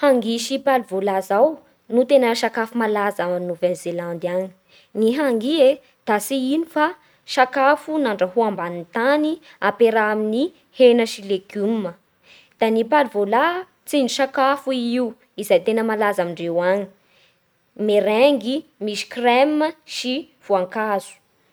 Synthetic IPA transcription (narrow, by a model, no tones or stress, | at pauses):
haŋɡiʃipalivolazaw | nut̪enəʃakafumalazanuvenzeland̪aɲi̥ | niɦaŋɡie | d̪̥asiinifa | ʃakafunaɳɖ͡ʐəɦuambanint̪aniapeɾaamini | henəʃileɡummə | d̪̥anipalivola | t͡siniʃakafuiiw | izajt̪enəmalazamiɳɖ͡ʐewaɲi̥ | meɾeŋɡimisi̥krɛməʃi | v̥uaŋkazu̥